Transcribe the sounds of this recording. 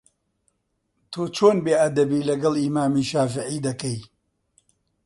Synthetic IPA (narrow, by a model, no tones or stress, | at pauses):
t̪ʰoːt͡ʃʰoːnbeːʔɐd̪ɐbiːlɐɡɐlˠimaːmiːʃaːfɪʕiːd̪ɐkɐj